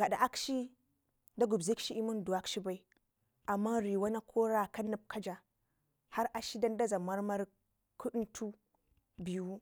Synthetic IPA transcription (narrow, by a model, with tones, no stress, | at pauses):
ɡa˨da˨ʔa˦kʃi˦ | da˦ɡu˨bzi˦kʃi˦i˦mu˦ndu˨a˦kʃi˦ba˨i˨ | ʔa˨mːa˦ɾi˨wa˦na˦kʰo˦ɾa˦˨ka˦nu˨b̚kʰa˦d͡ʒa˨ | ha˦ɾʔa˦ʃi˦da˦nda˦za˨ma˦ɾma˦ɾ | kʰu˦ɗu˦ntʰu˦ | bi˨ju˦